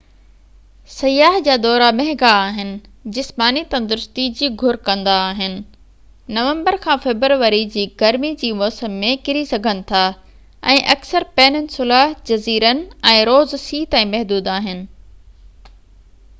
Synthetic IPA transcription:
sɐjaːɦd͡ʑaːd̪ɔːɾamɛɦɪ̃ɡaːɦɪnɪ̆d͡ʑɪsmaːnit̪ɐ̃nd̪ɪɾʊst̪id͡ʑiːɡʱʊɾkɐ̃nd̪aːɦɪnɪ̆ | nɐʋə̃mbəɾkʰãːfɛbəɾʋəɾid͡ʑiːɡɐɾmid͡ʑiːmɔːsəmːẽkɪɾisɐɡʱənɪ̆t̪ʰaː | ɛ̃ːʔɐksəɾpɛːnənɪ̆sʊlaːɦd͡ʑɐziːɾənɪ̆ɛ̃ːɾoːzsiːt̪ãːĩmɛɦd̪uːd̪aːɦɪnɪ̆

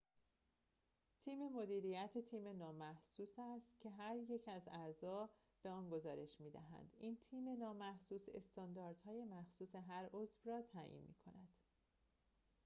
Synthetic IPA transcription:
t̪ʰiːme̞mo̞d̪iːɾijæt̪ʰet̪ʰiːme̞nɒːmæhsuːsæst̪cʰe̞ɦæɾje̞cʰæzæzɒː | b̥e̞ɒːnɡo̞zɒːɾe̞ʃmiːd̪æ̰ɦæ̰nd̪̥iːnt̪ʰiːme̞nɒːmæhsuːse̞̰st̪ɒnd̪ɒːɾd̪̥hɒːje̞mæxsuːse̞ɦæɾozvrɒːt̪ʰæːʔḭnmḭːkʰo̞̰næd̪̥

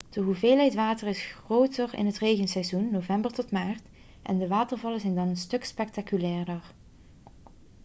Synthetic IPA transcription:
d̥əɦuveːlˠɦɛjtʋaːtərɪsxrowtəɹɪ̰nɦətrejɣənsɛjzunːovɛmbəɹtɔtmaːɹt | ʔɛ̰ndəʋaːtəɹvɑləzɛjndɑnənstɵkspɛk̚takylɛːɹdəɹ

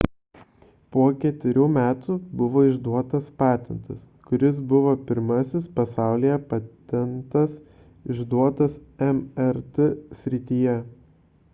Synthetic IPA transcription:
puɔkʲɛt̪ʲʋʲɪɾʲuːmʲæːt̪uːbʊʋoːɪʒd̪uɔt̪ɐspɑːt̪ʲɛnt̪ɐs | kʊɾʲɪs̬bʊʋoːpʲɪɾmɐsʲɪspɐsɑˑʊlʲijɛpɑt̪ʲɛnt̪ɐs | ɪʒd̪uɔt̪ɐsɛmɛɾt̪ɛsʲɾʲɪt̪ʲiːjɛ

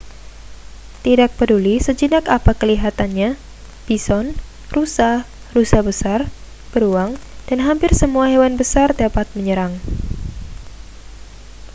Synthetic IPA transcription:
t̪idak̚pədulisəd͡ʒinakapakəliɦat̪anɲa | b̥isɔn | rusah | rusahbəsar | b̥əɾuaŋd̥anɦampɪrsəmuaɦewanbəsardapat̪̚məɲəɾaŋ

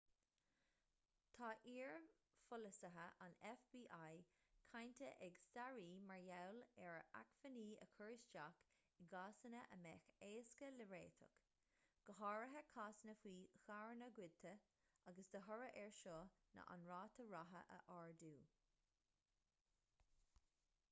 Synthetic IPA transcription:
t̪ʰɑːʔiːɹ | fʊləsəɦəʔanɛfbiːʔajkʰajnt̪ʰəʔɛɡsaɹiːmaɹjawlɛɹəʔa̰kfəniːə̰kʰɔɹst͡ʃak | ɪɡɑːsənəʔəmɛːxeːskələɹeːt̪ʰə̰k | ɡ̥əɦɑːɹəɦəkʰaːsənəfwiːxaɹənəɡwɪd̪̚t̪ʰə | aɡəsd̪əɦɔɹəʔɛɹʃoːnə̰ʔa̰nɹɑːt̪ʰəɹaɦə̰ʔə̰ʔaːɹd̪uː

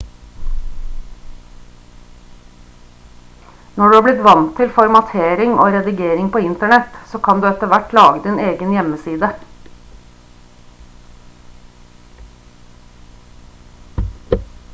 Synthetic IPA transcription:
nɔɖʉːɑːblɪt̪ʋɑnt̪ʰɪlfɔɾmɑt̪ʰeːɾɪŋo̰ːɾɛd̪ɪɡeːɾɪŋpoːɪnt̪əɳɛt̪soːkʰɑnd̪ʉːɛt̪əʋæʈlɑːɡəd̪ɪneːɡənjɛməsiːd̪ə

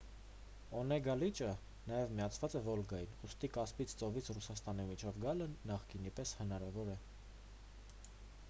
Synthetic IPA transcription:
ɔnɛɡɑlit͡ʃə | nɑjɛvmiɑt͡sʰvɑt͡sɛvɔlɡɑjinust̪ikɑspit͡sʰt͡sɔvit͡sʰrusɑst̪ɑnimit͡ʃʰɔvɡɑlənɑχkinipɛshənɑɾɑvɔɾɛ

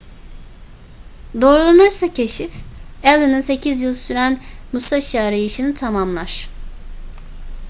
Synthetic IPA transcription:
d̪o̞ːɾulˠanɯɾsacʰe̞ʃifælˠinɯnse̞cʰizjɯlˠsyɾænmusaʃjaɾɯjɯʃɯnɯt̪ʰamamlˠaɾ̥

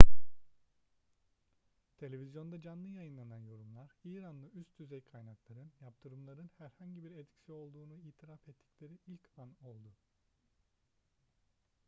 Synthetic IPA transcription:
t̪ʰe̞lʲe̞vʲizjo̞nd̪ad͡ʒanlːˠɯjajɯnlˠananjo̞ɾumlˠaɾiːɾanlˠɯyst̪ʰyzɛjkʰajnaklˠaɾɯnjap̚t̪ʰɯɾɯmlˠaɾɯnhæɾhaɲɟibiɾet̪ʰcsio̞lˠd̪uːnuiːt̪ʰiɾafɛt̪ʰːi̥cʲlʲe̞ɾiilʲcvano̞lˠd̪u

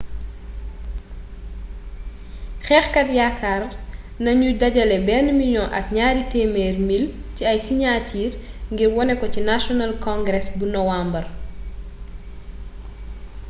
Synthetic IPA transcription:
xɛːxkɐtjakʰːar | nɐɲudɐɟɐlɛbɛːnmiɲɔʔɐ̰kɲaːɾitɛːmɛːrmilciɐjsiɲatʰiːrŋɡirwɔnɛkɔcinasjɔnalkɔ̃ŋɡɾɛsbunɔwambɐr

